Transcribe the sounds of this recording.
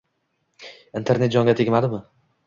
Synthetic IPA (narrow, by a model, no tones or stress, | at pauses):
int̪ʰe̞ɾned͡ʒɒŋɡʲat̪ʰeɡʲmad̪ɪmɪ